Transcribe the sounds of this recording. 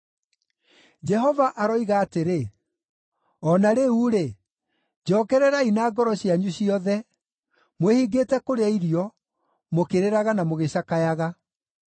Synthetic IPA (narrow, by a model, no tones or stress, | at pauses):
d͡ʒɛɦɔvaʔaɾɔiɣaːteɾe | ɔnaɾeuɾe | d͡ʑɔːkɛɾɛɾainaːɡɔɾɔɕjaɲuɕiɔðɛ | mwehiɡetɛkoɾeaiɾijɔ | mokeɾeɾaɣanamoɣeɕakajaɣa